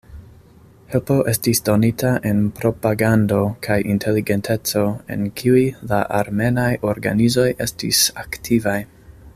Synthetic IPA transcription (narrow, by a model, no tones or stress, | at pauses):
helpo̞ʔe̞stisdo̞nitʰaʔe̞npɾo̞paɡando̞kʰajʔintʰe̞liɡe̞ntʰe̞t͡so̞e̞̰nkʰiujlaʔaɾme̞najo̞ɾɡa̰nizo̞je̞stḭsaktʰivaj